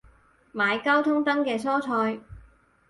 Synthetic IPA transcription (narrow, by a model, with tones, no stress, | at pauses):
maː˨˧jkɐ˥wt̪ʰʊ˥ŋt̪ɐ˥ŋkɛː˧sʰɔː˥t͡sʰɔː˧j